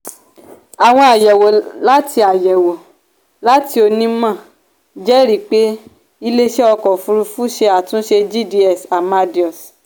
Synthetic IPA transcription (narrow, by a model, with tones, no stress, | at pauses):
a˨w̃ɔ̃˧˦a˨jɛ˨wo˨la˦ti˧a˨jɛ˨wo˨ | la˦ti˧˦o˧nĩ˦mã˦˨ | d͡ʒɛ˦ɾi˦˨k͡pe˨˦ | i˧le˦ʃɛ˦ɔ˧kɔ˨fũ˧ɾu˧fu˦ʃe˧a˨tũ˨˦ʃe˧d͡ʒi˦˨di˧ɛ˦˨sa˨ma˧di˨˦ɔ˨s